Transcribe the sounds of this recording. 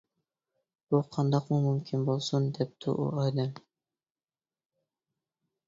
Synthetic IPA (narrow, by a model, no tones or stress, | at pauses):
buqʰɑnd̪ɑqmumumkʲʰinbolˠsund̪ɛp̚t̪ʰuʔṵɑjd̪ɛm